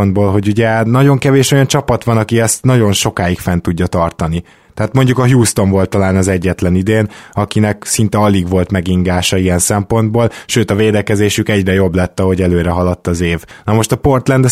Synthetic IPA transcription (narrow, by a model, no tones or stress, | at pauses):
nd̪boːlɦo̞ɟuɟɛnɒɟo̞ŋkɛveːʃo̞jɒnt͡ʃɒpɒt̪ʋɒnɒkiɛst̪nɒɟo̞nʃo̞kaːjikfɛnt̪uɟːɒt̪ɒrt̪ɒni | t̪ɛɦaːt̪mo̞ɲɟukɒɦjuːst̪o̞ɱvo̞lt̪ːɒlaːnɒzɛɟːɛt̪lɛnid̪eːnɒkinɛksin̪t̪ɛɒliɡʋo̞lt̪mɛɡiŋɡaːʃɒiɛnsɛmpo̞nd̪boːlʃøːt̪ɒveːd̪ɛkɛzeːʃykɛɟrɛjo̞blɛt̪ːɒɦo̞ɟɛløːɾɛɦɒlɒt̪ːɒzeːvnɒmo̞ʃt̪ɒpo̞rt̪lɛnd̪ɛ